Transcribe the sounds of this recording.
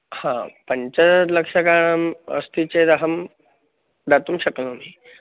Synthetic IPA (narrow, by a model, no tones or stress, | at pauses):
hãpəɲt͡ɕaləkʂakaə̰st̪it͡ɕed̪əɦəm | d̪at̪uːmɕəknomi